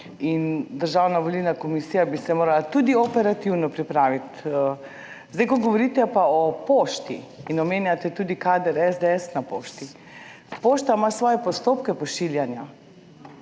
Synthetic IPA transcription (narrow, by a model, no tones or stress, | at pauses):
ind̪əɾʒaːwnaʋolilnakɔmisijabisɛmoːɾalat̪ud̪iɔpɛɾat̪iwnɔpɾipɾaːʋit̪ː | zd̪ajkɔɡɔʋɔɾiːt̪ɛpaɔpoːʃt̪ḭːnɔmeːnjat̪ɛt̪uːd̪ikaːd̪əɾɛzd̪ɛɛsnapoːʃt̪i | poːʃt̪amasʋɔːjɛpɔst̪oːpkɛpɔʃiljanja